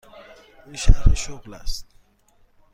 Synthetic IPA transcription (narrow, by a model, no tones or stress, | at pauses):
inʃæɾeʃoɣlæst̪̚